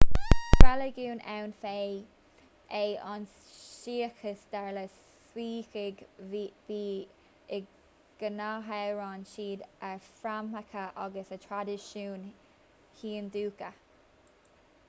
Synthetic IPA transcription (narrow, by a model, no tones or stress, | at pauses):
kʰɾaləɡuːnʔɛwnfe | ʔeʔɔns | ʃiːxəsd̪̥ɛɹləs | wiːxɪɡviː | ɡ̥ənaɦəɹɑnʃiːd̪əfɾaməkʰəʔaɡəsətʰɹadɪʃuːn | hiːnd̪uːkə